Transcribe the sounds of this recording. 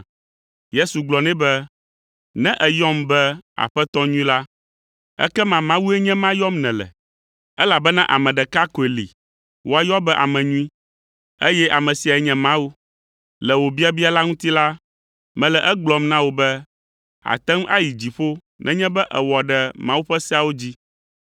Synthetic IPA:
je˦su˨ɡ͡blɔ˨nɛ̃˦bɛ˦ | nɛ̃˦ʔɛ˨jɔ˦mbɛ˦a̰˨ɸɛ˦t̪ɔ˦ɲũ˦ĩ˦la˦ | ɛ̰˦kɛ˦mã˨mã˦wu˦e˦ɲɛ̃˦mã˦jɔ˦mnɛ̃˨lɛ̰˨ | ɛ˦la˨bɛ˦nã˦ʔa˨mɛ̃˨ɖɛ˨ka˦ko˨e˨lḭ˨ | wo˦a˦jɔ˦bɛ˦ʔa˨mɛ̃˨ɲũ˦ĩ˦ | e˦jɛ˦ʔa˨mɛ̃˨si˨a˨ɛ˨ɲɛ̃˨mã˦wu˦ | lɛ˨wo˨bi˦a˦bi˦a˦la˦ŋũ˦t̪i˦la˦ | mɛ̃˨lɛ˨ʔɛ˦ɡ͡blɔ˨mnã˦wo˨bɛ˦ | a̰˨t̪ɛ̃˦m˦ʔa̰˦ji˨d͡ʑi˨ɸo˦ | nʔɛ̰̃˦ɲɛ̃˦bɛ˦ʔɛ̰˨wɔ˨ɖɛ˨mã˦wu˦ɸɛ˦sɛ˦a˦wo˦d͡ʑi˦

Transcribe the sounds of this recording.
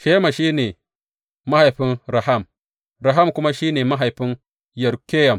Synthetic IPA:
ʃe˦ma˨ʃiː˦neː˨ | ma˦ha˨jɸi˦nɾa˨ɦa˦˨m | ɾa˨ɦa˦˨mkʊ˦ma˦ʃi˦neː˨ma˦ɦa˨jɸi˦n | jɐ˨ɾkʲe˦jɐ˨m

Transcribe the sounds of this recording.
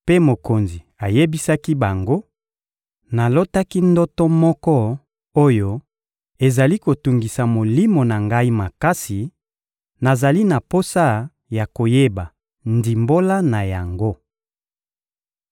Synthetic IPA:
pe˦mo˨ko˨nzi˨a˨je˦bi˦sa˦ki˦ba˨ŋɡo˦ | na˨lo˦ta˦ki˦ndɔ˦tɔ˦mɔ˦kɔ˦ | o˦jo˦ | e˨za˨li˦ko˨tu˨ŋɡi˨sa˨mo˨li˦mo˨na˨ŋɡa˦i˦ma˨ka˦si˨ | na˨za˨li˦na˨po˦sa˦ | ja˨ko˨je˦ba˨ | ndi˨mbo˦la˦na˨ja˨ŋɡo˦

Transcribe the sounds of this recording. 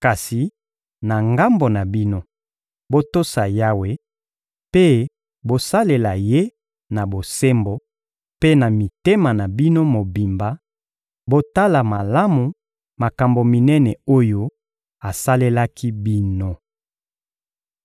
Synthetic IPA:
ka˨si˨ | na˨ŋɡa˦mbo˨na˨bi˦no˦ | bo˦to˦sa˨ja˦we˦ | pe˦ | bo˦sa˦le˨la˨je˦ | na˨bo˨se˦mbo˨ | pe˦na˨mi˨te˦ma˨na˨bi˦no˦mo˨bi˨mba˨ | bo˦ta˦la˨ma˨la˦mu˨ | ma˨ka˨mbo˨mi˨nɛ˦nɛ˨o˦jo˦ | a˨sa˦le˦la˦ki˦bi˦no˦

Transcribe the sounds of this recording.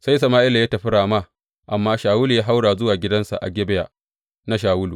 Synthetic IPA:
sa˦js̬ɐ˨maː˦ʔɪ˦la˨jaː˦tɐ˨ɸɪ˦ɽaː˨ma˦˨ | ʔa˨mːaː˦ʃaː˨wʊː˦lu˨jaː˦ɦa˦wɽaː˨zʊ˦waː˨ɡʲɪ˦dɐ˦nsa̰˨ʔa̰˨ɡʲɛ˦bɛ˦jaː˨ | na˦ʃ̬aː˨wʊ˦luː˨

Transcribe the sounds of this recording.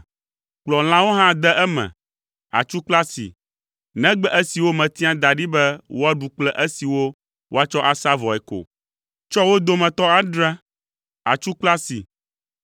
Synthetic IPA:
k͡plɔ˨l̃ã˦wo˦ɦã˦d̪ɛ˦ʔɛ˦mɛ̰̃˨ | a̰˨t͡ʃu˦k͡pla˦sḭ˨ | nɛ̃˦ɡ͡bɛ˦ʔɛ˦si˨wo˦mɛ̃˨t̪i˦ã˦d̪a˨ɖi˦bɛ˦wo˦a˦ɖu˨k͡plɛ˦ʔɛ˦si˨wo˦ | wo˦a˦t͡ʃɔ˦ʔa˨sa˦vɔ˨ɛ˨ko̰˨ | t͡ʃɔ˦wo˦d̪o˦mɛ̃˨t̪ɔ˦a˦ɖɾã˦ | a̰˨t͡ʃu˦k͡pla˦sḭ˨

